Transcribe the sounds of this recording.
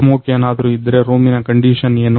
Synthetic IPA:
moːkjɐnaːd̪ɐɾuid̪ːɐɾeːɾoːminɐkɐɳɖiːʃɐneːnu

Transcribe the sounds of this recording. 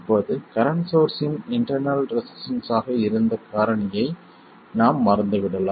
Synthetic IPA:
pːoːðɯkɐɾɐɳsoːɾsɪnɪɳʈɐɾnɐlɾɛsɪ̥sɐnsaːɣɐɪɾɯnd̪ɐkaːɾɐɳɐjɐɪ | naːmːɐɾɐnd̪ɯʋɪɽɐlaː

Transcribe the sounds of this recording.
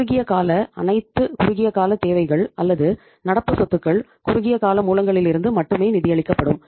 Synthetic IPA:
ʊɣɪjɐkaːlɐɐ̰nɐɪt̪ːɯkʊɾʊɣɪjɐkaːlɐt̪ːeːʋɐɪɣɐɭɐlːɐðɯ | nɐɽɐpːɯsɔt̪ːɯkːɐɭ | kʊɾʊɣɪjɐkaːlɐmuːlɐŋɡɐɭɪlɪɾɯnd̪ɯmɐʈːɯmeːnɪðɪjɐɭɪkːɐpːɐɽɯm

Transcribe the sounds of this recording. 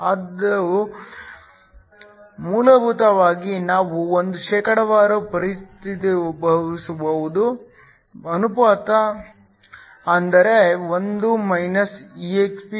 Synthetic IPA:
ɐd̪ɐ | muːlɐbʱut̪ɐʋaːɡinaːʋuond̪uʃɛːkɐɽɐʋaːɾɐpɐɾist̪ʰit̪ibɐʋisubɐʋud̪u | ɐnupaːt̪ɐ | ɐnd̪ɐɾe̞ʋond̪umɐjnɐsiːekspi

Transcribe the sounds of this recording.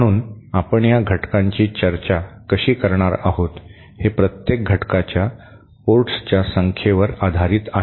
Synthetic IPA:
əɽ̃uːnapəɳjaɡʱəʈkãɲt͡ɕiːt͡ɕəɾt͡ɕakəɕiːkəɾɳaɾa̰ɦot̪ | hepɾət̪jek̚ɡʱəʈkat͡ɕja | poɾʈst͡ɕjasəŋkʰjeʋəɾad̪ʱaɾiːt̪aɦ

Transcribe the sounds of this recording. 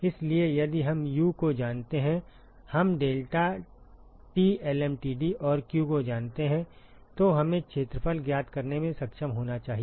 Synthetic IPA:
ɪsliejɐd̪iɦɐmjukod͡ʒaːnt̪eɦɛ̃ | hɐmɖeːlʈa | ʈiːɛːlɛːmʈiːɖiʔɔːɾkjukod͡ʒaːnt̪eɦɛ̃ | t̪oɦɐmẽkʃeːt̪ɾəpʰəlɡjaːt̪kɐɾnemẽsɐkʃəmɦoːnat͡ʃaːɦie

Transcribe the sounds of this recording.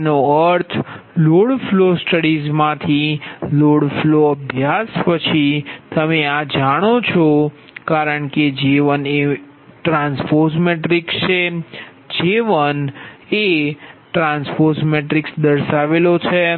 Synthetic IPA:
noəɾt̪ʰloɽflosʈəɽizmãt̪ʰiloɽfloəbʱjaspət͡ʃʰit̪əmead͡ʒaɽ̃ot͡ʃʰo | kaɾəɳked͡ʒeʋəne | ʈɾãnsfoɾsmeʈɾikt͡ʃʰe | d͡ʒeʋəneʈɾãnsfoɾsmeʈɾiksd̪əɾʃaʋelot͡ʃʰe

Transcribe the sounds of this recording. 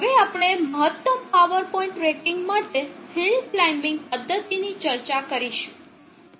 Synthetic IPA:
ɦəʋeapɳ̃eməɦət̪ːəmpaʋəɾpɔĩɳʈɾekiŋɡmaʈeɦilflaimɪ̃ŋɡ̚pəd̪ʱːət̪init͡ʃəɾt͡ʃakəɾiʃũ̥

